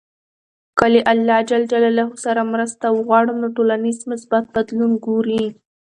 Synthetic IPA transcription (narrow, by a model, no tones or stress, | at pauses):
kəleʔalːɑd͡ʒald͡ʒalalaɦosaɾamɾəst̪awəɣwɑɽəmnoʈolanizmʊsbat̪̚bad̪lunɡoɾi